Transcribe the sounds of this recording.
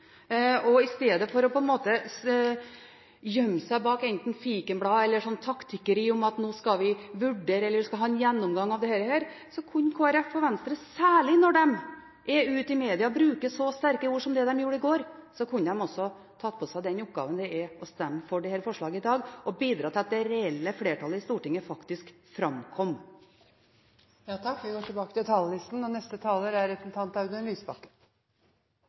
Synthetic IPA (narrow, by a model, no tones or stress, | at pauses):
ɔɪst̪eːd̪əfɔɾɔpʰɔɛnmoːt̪ə | jœmːsæɪbɑːkɛnt̪n̩fiːkənbɽɑːɛlːəʂɔnːt̪ʰɑkt̪ʰɪkəɾiːʊmɑt̪noːskɑʋɪʋʉɖːeːɾəɛlːəɾʋɪskɑlɦɑːɛnjɛnːʊmɡɑŋːɑʋd̪ɛhæːɾəhæːɾ | sɔkʰʉnːkʰoːæɾɛfɔʋɛnst̪ɾəsæːɭɪnɔɖɛm | ʔɛʉːt̪ɪmeːd̪ɪɑbɾʉːkəsɔst̪æɾkəuːʂɔmd̪ɛd̪ɛmjuːɾəɪɡoːɾsɔkʰʉnːəd̪ɛmɔsːɔ | t̪ʰɑt̪ːpʰɔsæɪd̪ɛnʊp̚ɡɑ̰ːʋənd̪ɛɛɔst̪ɛmːəfɔɖɛhɛːɾəfɔʂɭɑːɡəɪd̪ɑːɡʔɔbiːd̪ɾɑːt̪ʰɪlɑt̪̚d̪ɛɾɛɛlːəfleːʈʰɑlːəɪst̪uːʈɪŋːəfɑkt̪ɪsk | fɾɑmkʰɔmː | jɑːt̪ʰɑkːʋɪɡoːʈʰɪbɑːkət̪ɪt̪ʰɑːllɪst̪n̩ɔnɛst̪ət̪ʰɑːləːɾæɾɛtnt̪ʰɑːnt̪ɑʉd̪ɛnlyːsbɑkːə̥